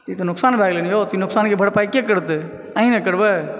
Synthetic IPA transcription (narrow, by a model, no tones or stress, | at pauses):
t̪it̪onʊksaːnbʱaɡleniot̪inʊksaːnkebʱəɽpaːikekəɾət̪ | əɦĩnekəɾbɛ